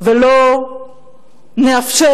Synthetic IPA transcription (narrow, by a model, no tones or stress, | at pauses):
velo | neafʃe